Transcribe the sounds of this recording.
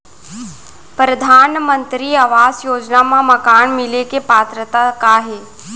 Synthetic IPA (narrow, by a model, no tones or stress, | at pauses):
pɾəd̪ʱaːnmənt̪ɾiːəʋaːzjoːd͡ʑnamãmɐkaːɳmɪlekepaːt̪ɾət̪akaːɦeː